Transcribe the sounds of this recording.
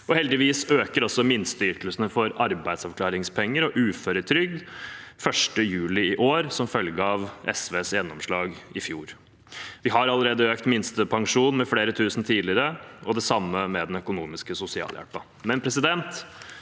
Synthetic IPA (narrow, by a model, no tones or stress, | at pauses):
ɔhɛld̪ɪʋiːsøːkəɾɔsːɔmɪnst̪ʏɾkəlsənəfɔɾɑɾbæɪd̪sɑʋklɑːɾɪŋspʰɛŋːəɾɔʔʉːfœɾət̪ʰɾʏɡ̚d̪fœʂʈəjʉːlɪɪʔoːɾsɔmfœlɡəɑʋʔɛ̰sʋeːsjɛnːɔmʂɭɑːɡɪfjuːɾ | ʋɪɦɑɾɑlːəɾeːd̪əøːkt̪mɪnst̪əpʰɑŋʂuːnmɛfleːɾət̪ʰʉːsn̩t̪ʰiːd̪lɪɾəɔd̪ɛsɑmːəmɛd̪ɛnœkʊnuːmɪskəsʊsɪɑ̰ːljæ̰lpɑ | mɛnpʰɾɛsɪd̪ɛnt̪